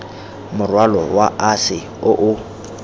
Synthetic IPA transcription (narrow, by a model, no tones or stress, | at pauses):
mʊrwalɔwa̰ʔasɪ | ʊʔʊ